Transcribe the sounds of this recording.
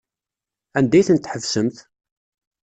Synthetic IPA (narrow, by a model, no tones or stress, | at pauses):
ænd̪æjθənt̪ħəvsəmθ